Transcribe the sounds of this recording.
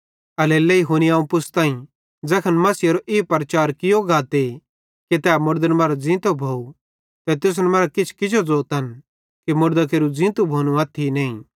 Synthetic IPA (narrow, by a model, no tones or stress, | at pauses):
ɐleːleiɦoniãːũpʊst̪ãːĩ | d͡zɐkʰənmɐsɪjɐɾoʔeːpɐɾɐt͡ʃaːɾkɪjoɡaːt̪e | ket̪ɛːmʊɽd̪ənmɐɾd͡zɪ̃ːt̪obʱoːu | t̪ɛt̪ʊs̬nɛmɐɾakɪt͡ʃʰkɪd͡ʒod͡zoːt̪ɦɐn | kimʊɽd̪akeːɾud͡zɪ̃ːt̪ubʱoːnũaːt̪ʰːineːĩ